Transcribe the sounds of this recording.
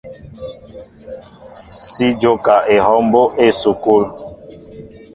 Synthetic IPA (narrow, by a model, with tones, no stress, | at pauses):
si˦d͡ʒo˦ka˨ʔe˨ɦɔ˦mbo˦ʔe˦˨su˨ku˦l